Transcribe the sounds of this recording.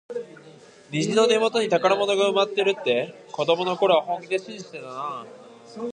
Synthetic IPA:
nʲiʑino̞ne̞mo̞t̪o̞ɲ̟it̪akaɾamo̞no̞ɡaɯ̟mat̪ːe̞ɾɯ̟t̪ːe̞ | ko̞d̪o̞mo̞no̞ko̞ɾeβahõ̞ŋɡʲid̪eɕĩɲʑi̥seana

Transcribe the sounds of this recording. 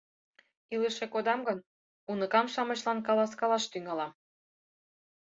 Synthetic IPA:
iləʃekod̪ɑmɡɤn | unɤ̆kɑmʃɑmɤɕlɑnkɑlɑskɑlɑʃt̪yŋɑlɑ

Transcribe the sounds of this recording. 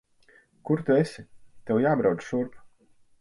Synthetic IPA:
kuɾt̪uesʲit̪ewjaːbɾawd̪̥ʃuɾpu̥

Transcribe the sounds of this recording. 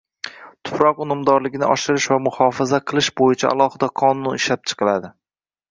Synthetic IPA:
t̪ʰʊ̥pɾɒqʊnʊmd̪ɒɾlɪɡʲnɪʔɒʃɪɾɪʃvamʊhɒfazaqʰɨlˠɪʃbojɪt͡ʃʰa̰ʔa̰lˠɒhɨd̪aqʰɒnʊnɪʃlap̚t͡ʃʰɨ̥qʰɨlad̪ɪ

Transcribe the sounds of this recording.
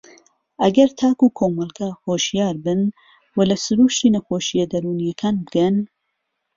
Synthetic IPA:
ʔɐɡɐɾt̪ʰaːkuːkʰoːmɐlˠɡahoːʃijaːɾbɨn | wɐlɐsɨɾuːʃt̪inɐxoːʃijɐd̪ɐɾuːnijɐkʰaːnbɨɡɐn

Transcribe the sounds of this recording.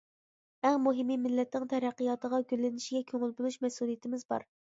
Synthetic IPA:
æŋmoɦɪmimɪlːɛt̪ːɪŋt̪ʰɛɾæqːijɑt̪əʁɑɡʲølːɪnɪʃiɡʲɛkʲʰøŋɪlbolˠuʃmɛsulˠijɪt̪ɪmɪzbɑ̰ɾ

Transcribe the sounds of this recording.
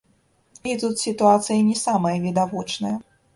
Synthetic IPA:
it̪ut̪sʲit̪uat̪sɨjɐnʲɛsamɐjɐvʲid̪avɔt͡ʂnɐjɐ

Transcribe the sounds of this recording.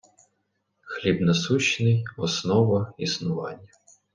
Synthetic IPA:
xlʲibnɐsuʃnɪjɔsnɔʋɐisnʊʋɑ̰nʲːɐ

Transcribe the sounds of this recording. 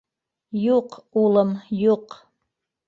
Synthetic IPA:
juqulˠɤmjuq

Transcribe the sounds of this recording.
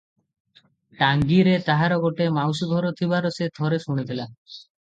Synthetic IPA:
ʈaŋɡiɾet̪aɦaɾɔɡɔʈemawsuɡ̪ʱɔɾot̪ʰibaɾosed̪ʱɔɾeʃuɽ̃it̪ʰila

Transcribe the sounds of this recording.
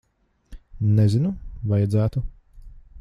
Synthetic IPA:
nɛzinuvajad̪zæːt̪u

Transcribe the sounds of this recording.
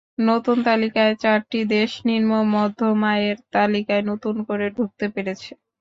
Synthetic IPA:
not̪unt̪alikaet͡ɕaɾʈid̪eʃniɾmomɔd̪ʱːomaeɾt̪alikaenot̪unkoɾeɖʱuk̚t̪epeɾet͡ɕʰe

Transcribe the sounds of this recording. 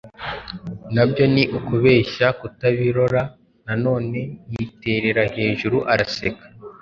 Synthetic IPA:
nabjo̞niʔukuβe̞ːʃakutaβiɾo̞ɾa | nano̞ːne̞nite̞ɾe̞ɾahe̞ːʒuɾuʔaɾase̞kḁ

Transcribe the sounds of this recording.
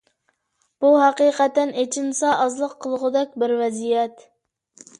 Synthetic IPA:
b̥uɦæqiːqɛt̪ːɛnet͡ʃʰinsɑʔɑzlˠəqʰːəlˠʁʊd̪ɛk̚ʲbɪɾvɛzijɛt̪

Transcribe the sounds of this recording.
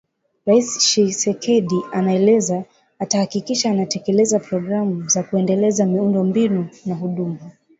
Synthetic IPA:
ɾaisʃisɛkɛɗianaɛlɛzaː | tahakikiʃaːnatɛkɛlɛzapɾɔɡɾamuzakuɛndɛlɛzamiundɔmbinunaɦuɗuma

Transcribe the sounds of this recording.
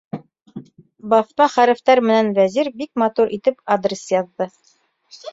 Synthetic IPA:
bɑfmɑχæɾɘ̆ft̪ɑɾmɘ̆nænvæziɾbik̚mɑt̪uɾʔit̪ɘpad̪rʲɪsjɑðːɤ

